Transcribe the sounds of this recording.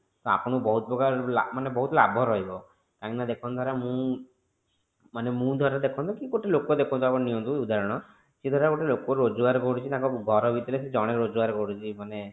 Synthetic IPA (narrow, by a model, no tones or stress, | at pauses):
t̪ɔa̰pɔɽ̃ɔbɔɦut̪bɔɡaɾlamanebɔɦut̪ɔlabʱɔɾɔɦibɔ | kãknad̪ekʰɔ̃nd̪ʱaɾamũ | manemũd̪ʱɔɾad̪ekʰɔ̃nd̪kikoʈelokod̪ekʰɔ̃nt̪uapɔɽ̃nijɔnt̪uud̪ʱaɾɔɽ̃ɔ | sed̪ʱɔɾakoʈelokoɾod͡ʒɔɡaɾkɔɽut͡ʃʰit̪ãkɔɡʱɔɾɔbit̪iɾesʰid͡ʒɔɽ̃eɾod͡ʒɔɡaɾkɔɽut͡ʃʰimane